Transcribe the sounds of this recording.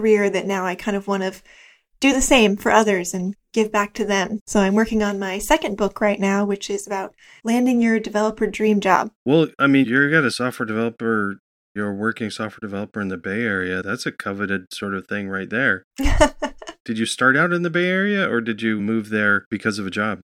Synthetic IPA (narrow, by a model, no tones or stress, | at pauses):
kə˞ɪɹðɨtⁿnaʊaɪkʰãɪ̃ndʌvwɑ̃ɾ̃ñʌv̥ | d̥ɨðɨsẽɪ̃ɱfə˞ʔʌðə˞zɨ̃nɡ̥ɪvbæk̚tʰɨðɨ̃msoʊãɪ̃mwɜ˞kɪ̃ŋə̃nmaɪsɛkɨ̃nbʊkʰɹaɪtⁿnaʊwɨt͡ʃɪzəbaʊt̚ | læ̃ndɪ̃ŋjə˞dɨvɛlˠəpʰə˞dɹĩmd͡ʒɑ̰b̥̚wɛlˠaɪmĩnjə˞ɡɑɾɨsɔftwə˞dɨvɛlˠəpə˞ | jə˞wɜ˞kɪ̃ŋsɔftwə˞dɨvɛlˠəpə˞ɨ̃nðɨbeɪɛɹiɨðætsɨkʰʌvɨɾɨd̥̚sɔɹɾʌv̥θɪ̃ŋɹaɪt̪̚ðə˞ | d̥ɨd͡ʒɨstɑɹɾaʊɾɨ̃nðɨbeɪɛɹiɨʔə˞dɨd͡ʒɨmuvðə˞b̥ɨkʰʌzʌvɨd͡ʒɑb̥̚